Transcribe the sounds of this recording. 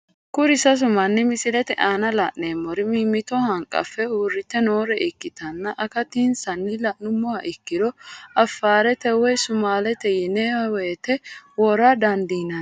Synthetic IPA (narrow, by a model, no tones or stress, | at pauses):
kʊɾɪsɐs̬ʊmɐnːɪmɪsɪlɛt̪ɛʔaːnɐlɐʔneːmːɔɾɪmiːmːɪt̪ɔhɐŋkʼːɐ̰fːɛuːrːɪt̪ːɛno̞ːɾɛʔɪkːɪt̪ɐnːɐʔɐkɐt̪iːnsɐnːɪlɐʔnʊmːɔaʔɪkːɪd̪ɔɐfːaːɾɛt̪ɛwɔjsʊmaːlɛt̪ɛjɪnewɐwɛjt̪ɛwɔɾad̪ɐnd̪iːnɐ